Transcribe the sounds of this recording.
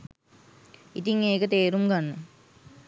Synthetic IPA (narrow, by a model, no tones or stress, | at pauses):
it̪iŋeːkət̪eːɾumɡanːə